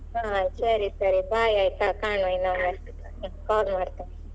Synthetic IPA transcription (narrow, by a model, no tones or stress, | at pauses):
ɦãːsɐɾisɐɾibʱaːjajk̪akaːɳuinae | kaːlmaːɖt̪a